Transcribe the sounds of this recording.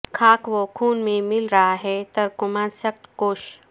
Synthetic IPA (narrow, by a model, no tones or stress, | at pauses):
kʰaːkʰʋokʰuːnmẽmɪlɾɐɦaɦɛt̪ɐɾkʊmaːnsɐk̚t̪koːʃ